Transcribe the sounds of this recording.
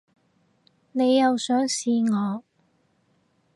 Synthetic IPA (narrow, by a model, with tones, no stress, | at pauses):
ne˨˧jːɐ˨wsœː˨˥ŋsiː˧ŋɔː˨˧